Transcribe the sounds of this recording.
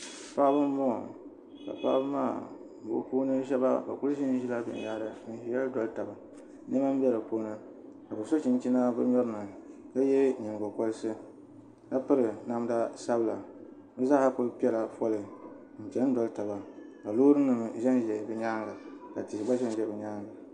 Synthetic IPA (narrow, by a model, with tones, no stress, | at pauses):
pa˦bɨ˦m˦bɔ˦ŋɔ̰˨ | ka̰˨pa̰˦bɨ˦ma̰ː˦˨ | bo̰˨˦poː˦nɨ˦ʒɛ˦ba̰˦ba̰˨ku˦lʃi˦n˦ʒi˦la˦bɨ̰˨n˨ja˦ɾɨ˨˦˨jɛ˦lɨ˦dɔ˦lta˨ba˨˦ | nɨ˦ma˦m˦bʲɛ˦ɾɨ˨poː˦nɨ˦ | ka˨bɨ˨so˦t͡ʃi˨n˦t͡ʃi˦na˦bɨ˦ɲɔ˦ɾɨ˦nɨ˨ka˦jɛ˦ɲi˨ŋ˨ɡɔ˨kɔ˦lɨ˦sɨ˦ | ka˦pɨ˦ɾɨ˨na˦m˦da˦sa˦bɨ˨la˨ | bɨ˦za˦ʔa˨kʊ˦lpi˦ɛ˦la˨pɔ˦lɨ˨ | m̩˨pɛ˨nɨ˦dɔ˨lta˨ba˨ka˨lo˦ɾɨ˦nːɨ˨m˨ʒɛ˦n˦ʒɛ˨bɛ˨ɲa˦ŋɡa˨ka˨tɪ˨ɡ͡ba˦ʒɛ˦n˨ʒɛ˨bɛ˨ɲaː˦ŋɡa˨